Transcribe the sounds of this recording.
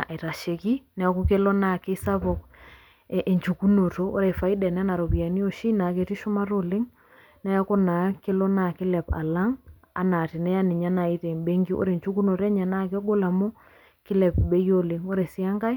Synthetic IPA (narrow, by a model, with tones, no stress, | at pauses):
i˨ɾa˨ʃe˨ki˦nɛ˨˦ku˦ke˦lɔ˦na˦˨ke˦sa˦pɔ˨k | ʔe˨ɲt͡ʃu˨ku˦no˨toː˦ɾɛ˨fa˨i˦da˨n˦a˦na˨ɾo˨pi˨a˨ni˦o˨ʃi˦na˨ke˨ti˦ʃʊ˦ma˦ɾo˨le˦ŋ | nɛ˦a˦ko˦na˨˦ke˦lɔ˦na˨kɪ˦lɛ˨pa̰˨la˦ŋ | a̰˨na˨tɪ˨nɛ˦ja˦nɪ˨ɲa˦na˨i˦te˨mbe˦ŋɡi˦ʔo̰˦ɾe˨ɲt͡ʃu˦ku˦no˨tɛ˦ɲa˨na˦˨ke˦ɡo˦la˨mo˦ | kɪ˦lɛ˨pbe˦jo˦le˨ŋo˦ɾe˨sɪ˦a˦ŋɡa˦i˦